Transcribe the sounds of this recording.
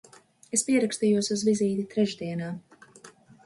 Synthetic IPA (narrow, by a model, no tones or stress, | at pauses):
espiɛɾakst̪ijuɔsuzviziːt̪it̪ɾɛʒd̪iɛnaː